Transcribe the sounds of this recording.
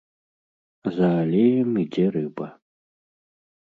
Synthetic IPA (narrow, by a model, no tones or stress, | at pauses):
zɐːlʲejɛmid͡zʲɛɾɨbɐ